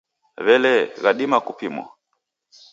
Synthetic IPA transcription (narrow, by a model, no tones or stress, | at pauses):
βɛlɛɣaɗimakupimwa̰